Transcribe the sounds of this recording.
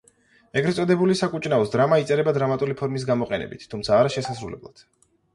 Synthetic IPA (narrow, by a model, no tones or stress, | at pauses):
ɛɡɾɛt̪sʼɔd̪ɛbulisakʼut͡ʃʼnaɔsd̪ɾamait̪sʼɛɾɛbad̪ɾamat̪ʼulipʰɔɾmis̬ɡamɔqʼɛnɛ̰bḭt̪ʰt̪ʰːumt̪sʰaːɾaʃɛsasɾṵlɛblˠa̰d̪̥